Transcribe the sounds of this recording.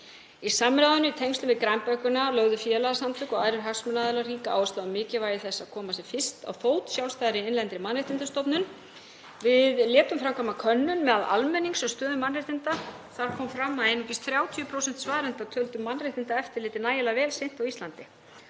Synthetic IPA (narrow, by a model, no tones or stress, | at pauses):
isaːmːɾaːðʏnʏit̪ʰejŋkst̪ʏnvɪðkɾajmpœhkʏnalœɣðʏfjɛːlaasamt̪ʏkɔɣajɾʏɾɦaksmʏnaːðɪlariːkaa̰ːwɛst̪aðʏmɪːcɪvaːjɪθɛsːaðkʰɔːmasɛfɪrst̪a̰wfoːwt̪sjawlst̪ajðɾɪɪnlɛnt̪ɾɪmanrɪht̪ɪnt̪ʏst̪ɔpnʏn | vɪðljɛːt̪ʏmfɾamkʰamakʰœnːʏnmɛːðalʔa̰lmɛnːiŋsɔst̪œːðʏmanrɪht̪ɪnt̪a | θaɾ̥kʰɔːmfɾamːaðejnucɪst̪θɾjaːwt̪ʰiʏpʰɾowsɛn̥t̪svaːðɾɛnt̪at̪ʰœlt̪ʏmːanrɪht̪ɪnt̪aɛft̪ɪɾlɪːt̪ɪnaːjɪlavɛːlsejn̥t̪awist̪lant̪ɪ